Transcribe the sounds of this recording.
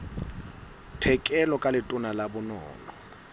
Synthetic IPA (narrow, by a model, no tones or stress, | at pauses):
tʰɛkʼɛlɔkʼalɪtʼʊnalabʊnɔ̰ːlɔ